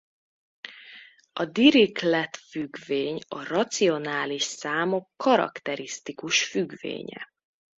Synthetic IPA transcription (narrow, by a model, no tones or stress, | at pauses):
ɒd̪iɾiklɛt̪fyɡveːɲɒrɒt̪sio̞naːliʃsaːmo̞kːɒɾɒ̰kt̪ɛɾist̪ikuʃfyɡvḛːɲɛ̰